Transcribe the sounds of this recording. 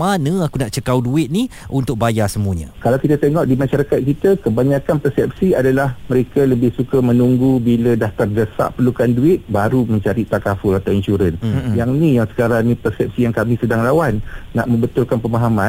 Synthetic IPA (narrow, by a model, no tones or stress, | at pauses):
manə̃akunaʔt͡ʃəkawduɪt̪̚niʔunt̪ʊk̚bajasəmuəɲə̰kalawkit̪at̪eŋɔʔdimaʃaɾakat̪̚kit̪akəbaɲakanpərsɛp̚siadalahməɾekaləbɪhsukamə̃nuŋɡubilədaht̪ard͡ʒəsa̰ʔpərlukanduɪt̪̚baɾuməɲt͡ʃaɾit̪akafʊlat̪awinʃuɾənjaŋnĩjaŋsə̥kaɾanĩpərsɛp̚sijaŋkamĩsədaŋlawanːa̰ʔmə̃mbət̪ʊlkanpəmaɦamã